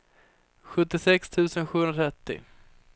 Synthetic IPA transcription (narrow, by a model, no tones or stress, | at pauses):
ɧɵt̪ːɪsɛkst̪ʰʉ̟ːsənɧʉːɵnɾat̪ʰɾɛt̪ːɪ̰